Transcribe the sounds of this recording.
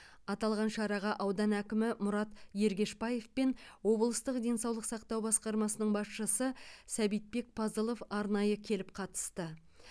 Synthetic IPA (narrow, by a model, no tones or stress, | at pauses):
ɑt̪ɑlˠʁɑnʃɑɾɑʁɑʔɑwd̪ɑnækʲɪmɪmʊɾɑt̪je̞ɾɡʲe̞ʃpɑje̞fpe̞nwo̞blˠəst̪əqd̪e̞nsɑwlˠəqsɑq̚t̪ɑwbɑsqɑɾmɑsənəɴbɑsʃəsəsæbijt̪̚pe̞k̚pʰɑzəlˠo̞fɑɾnɑjəkʲʰe̞lɪp̚qʰɑt̪ə̥st̪ə